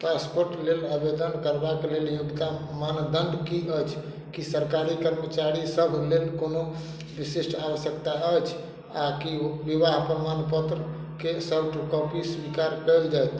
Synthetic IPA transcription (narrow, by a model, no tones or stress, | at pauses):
ʈɾãnspoɾʈleləbed̪ənkəɾbakeleljuɡt̪amand̪əɳɖkiət͡ʃʰ | kisəɾkaɾikəɾmət͡ʃaɾisəbʱlelkono | bisiʃʈawəsjəkt̪aəjt͡ʃʰ | akiʋiβaɦpɾəmanpət̪ɾə | kesəbʱʈukəwpiswikaɾkəjld͡ʒajt̪